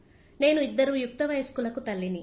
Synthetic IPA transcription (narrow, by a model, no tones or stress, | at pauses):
neːnuid̪ːɐɾuːjuk̚t̪ɐʋɐjɐskuːlɐkut̪ɐlːini